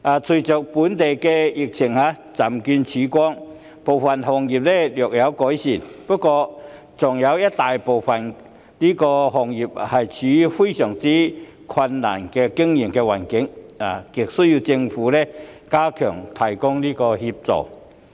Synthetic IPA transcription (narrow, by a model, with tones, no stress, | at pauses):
ʔaː˨t͡sʰu˨˧˩t͡ɕœ˨˩k̚pu˨˥nt̪e˨˩jkɛ˧ji˨˩k̚t͡ɕʰɪ˨˩ŋha˧ | t͡sa˨˩mky˧nt͡ɕʰi˨˧˦kɔ˦˥ŋ | po˨˩wfɐ˨nɦɔ˨˩ŋji˨˩p̚lɛ˧˩ljœ˨˩k̚ja˨˦˥wkɔ˨˥jɕi˨˩npɔ˧˥kɔ˧ | t͡sɔ˨˩ŋja˨˧˦wja˦˥t̚t̪aː˨˩jpo˨˩wfɐ˨˩n | li˦˥kɔ˧ɦɔ˨ŋji˨˩p̚hɐ˨˩jt͡ɕʰi˨˦fu˥jɕœ˨˩ŋt͡si˦ | kʰɐ˧nːa̰˨˩nkɛ˧ki˥ŋji˨˩˨mkɛ˧wa˨˩nkɪ˨˥˦ŋa˨˩ki˨˩k̚suː˦˥ju˧t͡ɕɪ˧ŋfuː˨˦lɛ˧ | kaː˦˥kʰœː˨˩ŋt̪ʰa˨˩jkɔ˥ŋli˦˥kɔ˧hi˧p̚t͡sɔ̰˨˩